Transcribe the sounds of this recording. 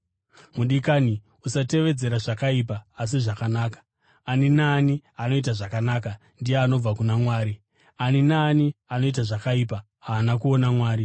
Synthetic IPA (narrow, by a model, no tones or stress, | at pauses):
muɗikaːni | usate̞ʋe̞d͡ze̞ɾaʐakaipaːs̬iʐakanaːkḁ | aninaːniano̞itaʐakanaka | ndijeano̞b͡vakunamwaːɾi | aninaniano̞itaʐakaipa | ɦaːnakuo̞namwaːɾi